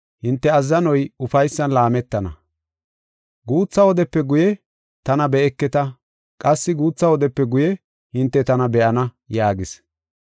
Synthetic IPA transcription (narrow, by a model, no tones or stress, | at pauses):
hɪnt̪ːɛɐzːɐnɔjʊfɐjsːɐnlaːmɛt̪ːɐnɐ̰ | ɡuːt͡sːɐwɔd̪ɛpːɛɡʊjɛ | t̪ɐnɐbɛɛkːɛt̪ɐ | kʼɐsːɪɡuːt͡sːɐwɔd̪ɛpːɛɡʊjɛ | hɪnt̪ːɛt̪ɐnɐbɛʔɐnɐ | jaːɡɪs